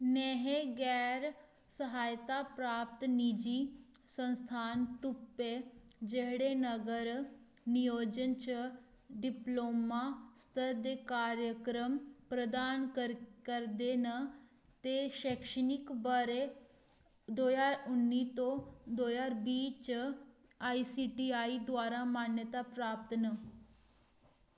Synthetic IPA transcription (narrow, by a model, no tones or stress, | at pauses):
nɛːɦeɡɛːɾ | səɦaːjt̪aːpɾaːpt̪nid͡ʒiːsənst̪ʰaːnt̪ʊpːeːd͡ʒeɦɽeːnəɡəɾnɪjoːd͡ʒənt͡ʃ | ɖɪploːmaːst̪ʰəɾd̪eːkaːɾjəkɾəmpɾəd̪ankəkəɾd̪enə | t̪eɕekʂənikbəɾe | d̪ojaɾunːit̪od̪ojaɾbiːt͡ɕ | aisiʈiaid̪ʋaɾamanjət̪apɾap̚t̪nə